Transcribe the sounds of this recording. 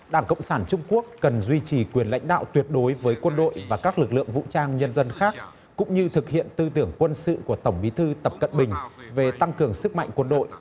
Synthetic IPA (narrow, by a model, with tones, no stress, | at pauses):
ɗaː˧˩ŋkə̰˧˨wŋ͡msaː˧˩nt͡ɕʊ˧ŋ͡mku˦˥ək̚ːə˨˩nzwi˧t͡ɕi˨˩kwi˧˩ənla̰˧˥jŋ̟ɗa̰ː˧˨wt̪wi˨˩ət̚ɗo˨˦jvəː˨˦jkwə˧nɗo̰˧˨jvaː˨˩kaː˦˥k̚lɨ˨˩k̚lɨ̰˧˨əŋvṵ˧˨t͡ɕaː˧ŋɲə˧nzə˧nxaː˦˥k̚ | kʊ̰˧˥ŋ͡mɲɨ˧t̪ʰɨ˨˩k̚hḭ˧˨ənt̪ɨ˧t̪ɨ˧˩əŋkwə˧nsɨ̰˧˨ku˧˩ət̪ə˧˩wŋ͡mɓi˨˦t̪ʰɨ˧t̪ə˨˩p̚kə̰˧˨nɓï˨˩ŋ̟ve˨˩t̪a˧ŋkɨ˨˩əŋsɨ˦˥k̚ma̰˧˨jŋ̟kwə˧nɗo̰˧˨j